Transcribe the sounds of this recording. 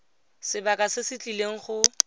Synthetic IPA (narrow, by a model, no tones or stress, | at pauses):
sɪbakʼasɪsɪt͡ɬʼileŋ̩χʊ